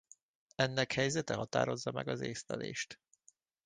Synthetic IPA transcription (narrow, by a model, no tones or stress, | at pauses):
ɛnːɛkhɛjzɛt̪ɛɦɒt̪a̰ːɾo̞zːɒmɛɡɒzeːslɛ̰leːʃt̪